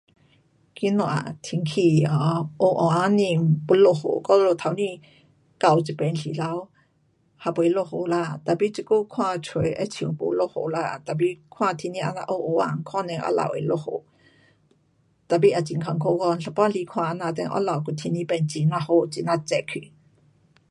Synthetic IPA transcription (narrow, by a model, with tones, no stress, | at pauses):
ki˧˦nɔ˧˨ʔa̰˨t̪ʰi˧˨ŋkʰi˧˩ɔ˧ʔo˧˨ʔɔ˨ʔa˧˦ni˧˨mpu˧˦lo˧˨ho̰˧˨kɔ˧˦˧lo˧˨t̪ʰa˨˧˦wnĩ˧˨ | ka˧˨wt͡si˧˨pɛ˧˨nɬi˨la˧w | ha˧˨pu˨e˧˦lo˧ho˨la˧˨t̪a˨pi˧˦t͡si˧˨ku˦˧˨kʰwãː˧˨t͡sʰwə˨˦jʔɛ̰˧˦t͡sʰi˨˧˨ŋpo̰˧˨lo˧ho˧˨la˧˨t̪a˨pi˧˦kʰwãː˧t̪ʰi˧nĩ˧ʔa˧˨na̰˧ʔo˧ʔo˧˦ʔa˧˨ŋkʰwa˥˨nɛ̃˧˨ʔa̰˧˦la̰˨wʔe˨˧˨lo˧ho̰˧˨ | t̪a˨p̬i˧˥ʔa˧˨t͡ɕi˧˨ŋkʰa˧˨ŋkʰo˧kɔ˧n˧ɬa˧pa˥li˧˦kʰwãː˧ʔnã˧˨t̪ɛ̰˧˦ʔɔ̰˧˥la˨wku˧˨t̪ʰi˧˦nĩ˧˦pɛ˧˩nt͡ɕi˧˨nã˧˨ho˧t͡si˧˨na˧t͡sɛ˧˨ʔkʰi˧˨